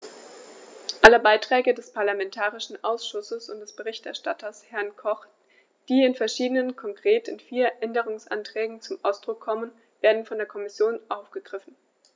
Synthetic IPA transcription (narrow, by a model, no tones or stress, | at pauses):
ʔaləbaɪtʁ̥ɛːɡədɛspʰaɐlamɛntʰaːʁɪʃn̩ʔaʊsʃʊsəsʊntd̥ɛsb̥əʁ̞ɪçtɛɐʃtatʰɐshɛɐnkʰɔχ | d̥iːɪnfɛɐʃiːdənənkʰɔŋkʁ̥eːtɪnfiːɐʔɛndəʁ̞ʊŋsʔa̰ntʁ̥ɛːɡŋ̩t͡sʊmʔaʊsd̥ʁʊkʰːɔmən | v̥eːɐdn̩fɔndeːɐkʰɔmɪsjoːnʔaʊfɡ̥əɡ̥ʁɪfn̩